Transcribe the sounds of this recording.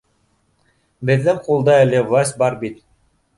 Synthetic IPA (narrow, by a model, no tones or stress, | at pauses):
bɘ̆ðlɘmqulˠd̪ɑɘlʲevlˠɑsʲt̪̚ʲbɑɾbit̪